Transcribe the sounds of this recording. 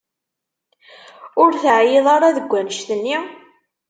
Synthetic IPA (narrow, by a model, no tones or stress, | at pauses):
ʊɾθəʕjeðˤɑɾˤɑðəɡʷːænəʃθənːi